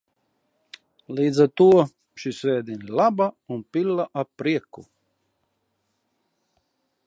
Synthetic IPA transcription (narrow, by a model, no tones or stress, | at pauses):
liːd̪zaɾt̪uɔ | ʃisvʲɛːd̪ʲinʲilˠabaunpilːaʔapɾiɛku